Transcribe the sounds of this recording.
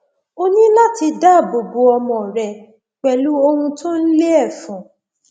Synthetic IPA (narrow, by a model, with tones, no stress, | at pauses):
o˦nĩ˦la˦ti˧da˦˨bo˨bu˧ɔ˧mɔ̃˨ɾɛ˧ | k͡pɛ˨lu˦o˧hũ˧to˦n̩˦le˦ɛ˦˨fũ˨